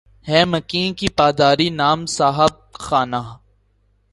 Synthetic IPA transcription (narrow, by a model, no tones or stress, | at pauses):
hɛːmɐkiːnkipaːd̪aːɾinaːmsaːɦəb̚xaːnaː